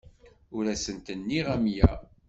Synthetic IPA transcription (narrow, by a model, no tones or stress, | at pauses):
ʊɾæsənt̪ənːiʁæmjæ